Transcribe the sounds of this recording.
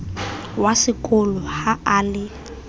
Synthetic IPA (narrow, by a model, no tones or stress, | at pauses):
wasɪkʼʊlɔhaaːlɪ